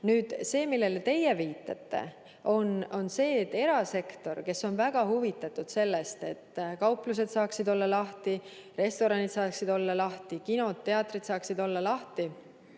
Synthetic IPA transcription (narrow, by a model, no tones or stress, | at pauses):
nyːd̪̥se̞ːmilːe̞let̪e̞jeviːt̪ːˑɑ̰t̪ːˑe̞̰ | o̞no̞nse̞ːt̪ːe̞ɾɑse̞kt̪o̞rke̞sːo̞nvæɡ̥ɑhuvit̪ːˑɑt̪ˑud̪̥se̞lːe̞st̪e̞t̪ːˑkɑwplus̬e̞d̪sɑːksid̪o̞lːɑlɑht̪i | re̞st̪o̞ɾɑnid̪sɑːksid̪o̞lːɑlɑht̪ikino̞t̪ːe̞ɑt̪ːrid̪̥sɑːksid̪̥o̞lːɑlɑht̪i